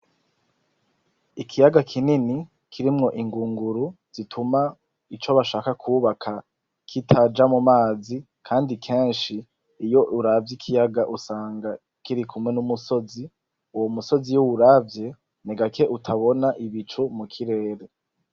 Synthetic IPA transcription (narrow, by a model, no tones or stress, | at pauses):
ikʰijaɡakʰinini | kʰiɾimŋo̞ʔiŋɡuːŋɡuɾuz̥itʰuma | it͡ʃo̞βaʃaːkakʰuːβakʰa | kʰitʰad͡ʒamumaːzi | kʰaːndikʰe̞ːnʃiː | jo̞ʔuɾavjikʰijaɡaʔusaːŋɡa | kiɾikʰumŋe̞numuso̞zi | uwomuso̞zijuwuɾavje̞ | niɡakʰe̞ʔutʰaβo̞naʔiβit͡ʃumukʰiɾe̞ːɾe̞